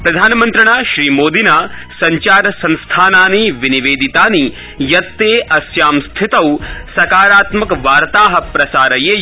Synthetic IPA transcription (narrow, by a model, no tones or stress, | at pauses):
pɾɐd̪ʱaːnɐmɐ̃nt̪ɾɐɳ̃aːʃɾiːmoːd̪ʱinaːsɐɲt͡ʃaːɾɐsɐ̃nst̪ʰaːnaːniʋiniʋeːd̪it̪aːni | jɐt̪ːeːʔɐsjaːmst̪ʰit̪ɐwsɐkaːɾaːt̪mɐkʋaːɾt̪aːɦɐ̆pɾɐsaːɾɐjeː